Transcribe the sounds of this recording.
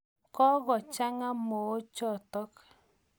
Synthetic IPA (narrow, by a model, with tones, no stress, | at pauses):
kɔ˦ɣɔ˨t͡ʃa˦ŋa˦mo˨o˦t͡ʃɔ˦˨tɔ˦k